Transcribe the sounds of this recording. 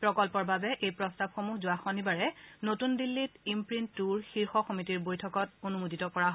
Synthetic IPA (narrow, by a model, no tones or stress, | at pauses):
pɹɔkɔlpɔɹbabɛʔejpɹɔstab̚xomuhzʊaxɔnibaɹɛnotundilːitimpɹintːuɹxiɹxɔxomitiɹbojtʰɔkɔt̚onumuditɔkɔɹaɦ